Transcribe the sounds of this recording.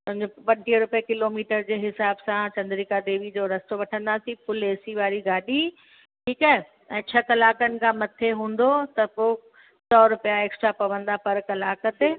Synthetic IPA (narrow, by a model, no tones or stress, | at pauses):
pʊ̃ɦɪ̃ɲd͡ʑopɐ̃ɳʈiɾʊpjekɪloːmiːʈəɾd͡ʑeːɦɪsaːbsãt͡ɕɐ̃nd̪ɾikad̪eːʋid͡ʑoɾɐst̪oʋɐʈʰə̃nd̪aːsĩpʊleːsiʋaːɾiɡaːɗi | ʈʰiːkaɦe | ɛ̃ːt͡ɕʰɐkɐlaːkənɪ̆kʰãmɐt̪ʰeɦũːn̆d̪ot̪ɐpoː | sɔːɾʊpijaeːksʈɾapɐʋə̃nd̪apɐɾkɐlaːkət̪e